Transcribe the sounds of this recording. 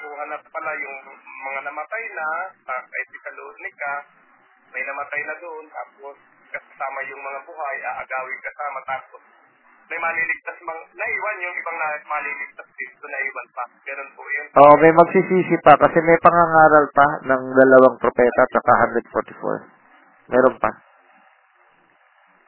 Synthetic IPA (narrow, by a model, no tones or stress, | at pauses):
kuhɐnɐppɐlajʊŋmɐŋanɐmɐt̪ajnɐsakɐjt̪ɪkɐloʔod̪̚nɪka | mɐjnɐmɐt̪ajnɐd̪oʔont̪aːp̚os | kɐkɐsaːmɐjʊŋmɐŋabuɦajʔɐʔɐɡaːwɪŋkɐsaːmɐt̪aːpos | mɐjmɐlilɪɡ̚t̪asmɐŋnɐʔiːwɐnjʊŋʔɪbaŋnamɐliːlɪɡ̚t̪asd̪ɪnt̪onɐʔiːwɐnpɐɡɐnonpʊʔɐjonʔoːʔomɐjmɐɡ̚sisiːsɪpɐkɐsɛmɛjpɐŋaŋaːɾɐlpɐnɐŋd̪ɐlɐwaŋpɾopɛːt̪ɐt͡ʃɐkaɦand̪ɾɛd̪̚foɾt̪ɪfo̰ɹ | mʔɛːɾonpɐ̰